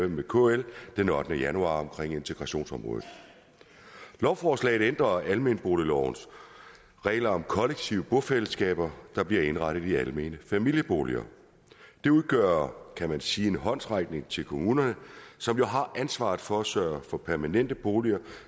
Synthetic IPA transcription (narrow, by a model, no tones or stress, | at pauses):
emekʰo̰eld̥enɒ̽d̥nəjænuɑ̰̈ːɒ̽mkʰʁeŋ̰e̝nt͡sʰe̝ɡ̥ʁɑ̈ɕo̝̰ːnsɒ̽mʁɔ̰ːð̩ˠ | lɒʊfɒːslɛ̰ɪð̩ˠend̥ʁɐælme̝ːnəb̥o̝ːlilɒʊ̰ns | ʁɛ̰ːlɐɒ̽mkʰɒ̽leɡ̥̚t͡sʰiʊəb̥ɔfel̰əsɡ̥ɛ̰ːb̥ɐd̥ɑ̈b̥liɐe̝nʁɑɾ̥əð̞̩ˠiælme̝̰ːnəfæmil̰jəb̥o̝ːliɐ̰ | d̥e̝uðˠɡ̥œːɐkʰæmænsiːe̝nɦɒ̽n̰sʁɑ̈ɡ̥ne̝ŋt͡sʰe̝lkʰo̝muːnɐnəsɒ̽mjo̝ɦɑ̈ʔænsʋɑ̰̈ːð̩ˠfɒːsœːɐfɒ̽pʰæɐmænen̰d̥əb̥o̝ːliɐ